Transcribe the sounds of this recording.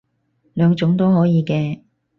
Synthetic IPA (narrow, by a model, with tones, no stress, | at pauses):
lœː˨˧ŋt͡ʃʊ˨˥ŋt̪o˥wɦɔː˨˥jiː˨˧kɛː˧